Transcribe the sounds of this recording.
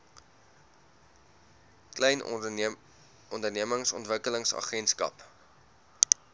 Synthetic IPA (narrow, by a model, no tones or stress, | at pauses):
klɛjn | ɔndərniəməŋsɔntvəkələŋsɐ̰χɛnskɐ̰p